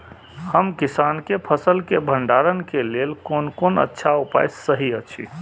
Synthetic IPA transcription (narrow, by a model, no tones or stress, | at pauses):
həmkisankepʰəsəlkebʱəɳɖaɾənkelelkonkonə̰tːʃʰaupa̰jsəɦiət͡ʃʰḭ